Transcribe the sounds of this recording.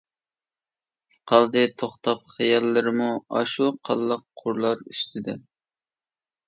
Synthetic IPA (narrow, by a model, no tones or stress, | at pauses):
qʰɑlˠd̪ɨt̪ʰoχt̪ʰɑp̚χɛjɑlːɨɾɪmuɑ̰ʃuqʰɑ̰lˠːəqʰːʊɾlˠɑɾyst̪ʰɪd̪ɛ